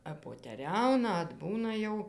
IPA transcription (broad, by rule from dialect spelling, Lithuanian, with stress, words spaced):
ɐppoːtʲɛˈrʲɛʊnɐ ɐdˈbuːnɐ jɛʊ